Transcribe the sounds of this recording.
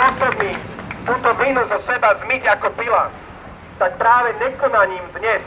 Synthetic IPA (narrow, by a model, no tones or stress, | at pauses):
ɔsɔb̪nit̪uːt̪ɔvinuzɔsɛbazmiɡakɔpilant̪ | t̪ak̚pɾaːʋɛɲɛkɔnaɲiːmd̪ɲɛs